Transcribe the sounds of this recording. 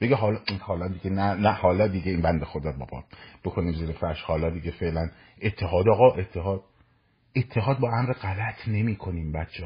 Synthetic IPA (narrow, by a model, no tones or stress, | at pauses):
b̥eɡeɦɒːlɒhɒːlɒːd̪iɡenænæhɒːlɒːd̪iɡeiːnbænd̪exod̪ɒːɾbɒ̰ːbɒ̰ːb̥e̞kʰo̞niːmziːɾefæɾʃhɒːlɒːd̪iɡefe̞ʔlæn | et̪ʰːe̞ɦɒːd̪ɒːɣɒːʔet̪ʰːeɦɒːd̪̚ | e̞t̪ʰːe̞ɦɒːd̪̚bɒːæmɾeɢælæt̪ʰne̞miːkʰo̞niːmbæt̪t͡ʃʰe